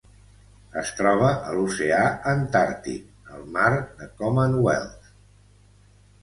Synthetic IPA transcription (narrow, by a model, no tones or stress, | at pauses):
əst̪ɾɔβ̞əʔəluseaənt̪aɾt̪ḭk | əlˠmaɾðəkɔmənwɛ̰lˠt̪